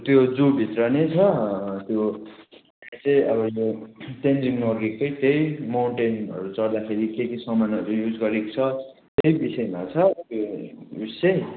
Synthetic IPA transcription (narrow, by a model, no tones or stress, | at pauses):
t̪jod͡zubʱit̪rʌnet͡sʰʌt̪joaamit͡sʌj̃ʔʌbʌjoʈenriŋnorɡikpʌjt̪ejmawɳʈenʌ̰ɾut͡sʌrd̪akʰeɾikek̪isʌmanʌɾujud͡zɡʌɾekot͡sʰʌ | t̪ejbisʌemat͡sʰʌt̪joust͡sʌj